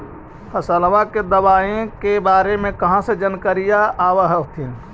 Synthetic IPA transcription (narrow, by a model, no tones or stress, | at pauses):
həsəlʋãked̪əwaːẽkebaːɾemẽkəɦãsed͡ʒənkəɾijaʔaːʋəɦət̪ʰin